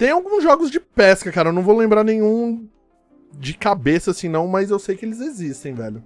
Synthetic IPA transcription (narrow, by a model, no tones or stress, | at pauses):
t̪ẽj̃awɡũzʒɔɡʊzd͡ʒɪpɛskɐkaɾɐewñw̃vowlẽmbɾaɾnẽjɲ̃ũ | d͡ʒɪkabesɐasĩnɐ̃w̃mɐzewsejkɪelɪzezist̪ẽj̃vɛ̰lʊ